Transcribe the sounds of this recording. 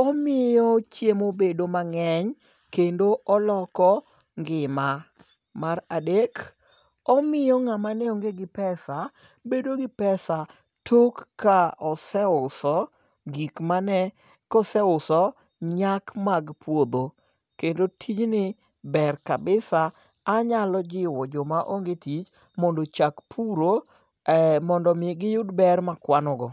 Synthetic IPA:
ɔmɪjɔt͡ʃjemobedomaŋɛɲ | kendoʔɔlɔkɔ | ŋɡɪma | maradek | ɔmɪjɔŋamanɛɔŋɡeɡɪpɛsa | bedoɡɪpɛsa | tʰokːaɔsɛʊsɔ | ɡikmanɛ | kɔsɛʊsɔ | ɲakmaɡpʰwod̪o | kendotʰit͡ʃnɪ | bɛrkabɪsaː | ɲalɔd͡ʒɪwɔd͡ʒɔmaʔoŋɡetit͡ʃ | mondot͡ʃakpʰuɾo | ɛmɔndɔmɪɡɪjʊdbɛrmakwanɔɡɔ

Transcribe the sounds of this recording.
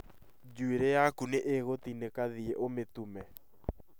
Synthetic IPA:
d͡ʒueɾejakuneʔeɣot̪inekaðieʔomet̪umɛ

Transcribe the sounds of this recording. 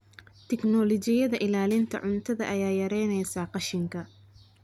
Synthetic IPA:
t̪ʰɛknɔlɔt͡ʃɪjɐðɐʔɪlaːlɪnt̪ʰɐ̰ʕʊnt̪ʰɐðɐʔɐjaːjɐɾɛjnɛjsaːqɑʃɪŋkʰɐ

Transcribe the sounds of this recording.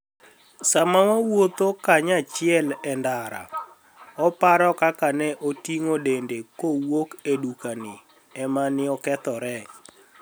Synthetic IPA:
samawawot̪okaɲat͡ʃɪɛlɛndaɾa̰ | ɔpaɾɔkakanɛʔotiŋodendekowokedukanɪ | ɛmanɪɔkɛt̪ɔɾɛ

